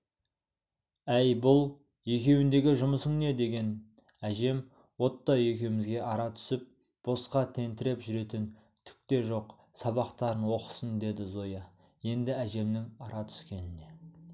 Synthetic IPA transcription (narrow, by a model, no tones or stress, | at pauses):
æjbʊlˠ | je̞kʲe̞wɪnd̪e̞ɡʲɪʒʊməsəŋne̞d̪e̞ɡʲe̞n | æʒe̞m | wo̞t̪ːɑe̞kʲewmɪzɡʲe̞ʔɑɾɑt̪ʰʏ̥sɪp̚ | b̥o̞sqɑt̪ʰe̞nt̪ɪɾe̞pʒʏɾe̞t̪ɪn | t̪ʰʏ̥k̚t̪e̞ʒo̞q | sɑβɑqt̪ɑɾənwo̞qə̥sənd̪e̞d̪ɪzo̞jɑ | je̞nd̪ɪæʒe̞mnɪŋɑɾɑt̪ʰʏ̥skʲe̞nɪne̞